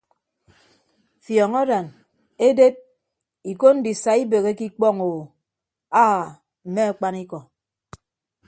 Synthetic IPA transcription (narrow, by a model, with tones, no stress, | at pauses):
fjɔ˨ŋɔ˦da˨n | e˦de˦t̚ | i˨ko˦n̩˦di˨sa˨i˦be˨ɣe˦ki˦k͡pɔ˦˨ŋo˨ | a˦˨ | m̩˨me˦a˨k͡pa˦ni˦kɔ˨